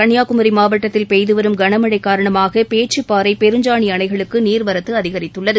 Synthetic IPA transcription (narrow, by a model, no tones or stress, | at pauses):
kɐɳjaːkʊmɐɾimaːʋɐʈːɐt̪ːɪlpɛjðɯʋɐɾɯmɡɐɳɐmɐɽɐɪkːaːɾɐɳɐmaːɣɐpeːʈ̚t͡ʃːɯpːaːɾɐɪpɛɾɯɲd͡ʒaːɳiɐnɐɪɣɐɭɯkːɯniːɾʋɐɾɐt̪ːɯɐðɪɣɐɾɪt̪ːɯɭːɐðɯ